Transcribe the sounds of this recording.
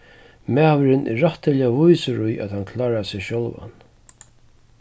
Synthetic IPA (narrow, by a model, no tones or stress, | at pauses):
mæːvəɾɪnʔɛ̰ːaht̪ɪlɪavujsəɾʊjʔa̰t̪hankʰlaːɾasɪʃɔlva̰n